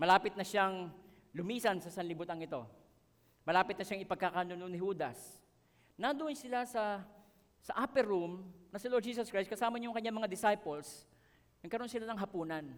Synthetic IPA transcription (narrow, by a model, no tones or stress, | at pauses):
mɐlaːpɪt̪nɐʃaŋ | lʊmiːsɐnsɐsɐnlɪbuːt̪ɐŋɪt̪o̞ | mɐlaːpɪt̪nɐʃaŋɪpɐɡ̚kakanononɪhuːd̪ɐ̰s | nad̪ʊʔnsɪlasɐ | sɐʔapɛɾumnɐsɪloɹd̪̚d͡ʒiːs̬oskɹajst̪kɐsaːmɐɲjʊŋkɐɲamɐŋad̪ɪsajpols | nɐɡ̚kɐɾonsɪlanɐŋɦɐpuːnɐn